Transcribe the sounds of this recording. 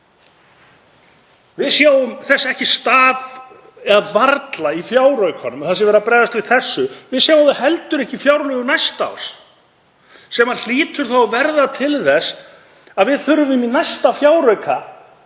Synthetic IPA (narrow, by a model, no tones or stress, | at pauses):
vɪðsjaːwʏmθɛsːaɛhcɪst̪aːv | ɛðavaɾt̪laifjaːwɾœɥkhɔnːʏmθasɪvɛɾapɾɛːðast̪vɪ̥θɛsːʏvɪðsjaːwaðɪɦɛlt̪ʏɾɛhcɪfjawɾnœɣʏnajst̪a̰ws | sɛmal̥iːt̪ʏɾ̥θawavɛɾðat̪ʰɪlθɛs | aðvɪðθʏɾʏmʏminajst̪afjaːwɾœɥkʰa